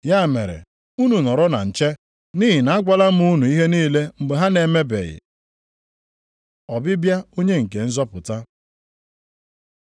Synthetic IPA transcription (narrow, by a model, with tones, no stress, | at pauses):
ja˦˨me˨ɾḛ˨ | u˦nu˨nɔ˨ɾɔ˦na̰˨n̩˨t͡ʃe˦ | ni˦ɦi˨na˨˦a˦ɡa˦la˦m̩˦u˦nu˨i˦ɦe˦niː˦le˦ŋ͡m̩˨ɡ͡be˨ɦa˦ne˨me˦bḛ˨ɣɪ̰˨ | ɔ˨bɪ˦bja˦o˦ɲe˦ŋ̩˨ke˨n̩˦zɔ˦pʊ˨ta˦